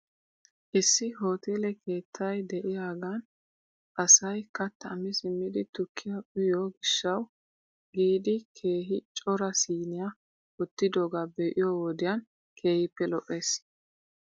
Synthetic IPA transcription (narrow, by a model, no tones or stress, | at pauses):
ʔɪsːɪɦo̞ːt̪ʰeːlɛkʰe̞ːt̪ʰːɐjd̪ɛʔɪjaːɡɐn | ʔɐsɐjkɐt̪ːɐɐmɪsɪmːɪd̪ɪt̪ʊkʰːɪjɐʔʊjoːɡɪʃːɐw | ɡiːd̪ɪkʰe̞ːɦɪt͡ʃʼɔɾɐsiːnɪjɐ | ɔt̪ːɪd̪oːɡaːbe̞ːʔɪjoːwɔd̪ɪjɐn | kʰe̞ːhɪpːɛlɔʔːe̞ːs